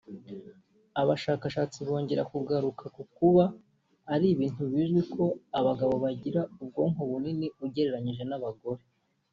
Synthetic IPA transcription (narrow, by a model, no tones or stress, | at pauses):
aβaʃaːkaʃaːt͡siβo̞ːɲɟe̞ɾakuɡaɾukʰakukuβaː | ɾiβiːntuβiːʒɡwikʰo̞aβaɡaβo̞βaɟiɾaub̚ɡo̞ːŋ̥oβuniniuɟe̞ɾe̞ɾaɲiʒe̞naβaɡo̞ɾe̞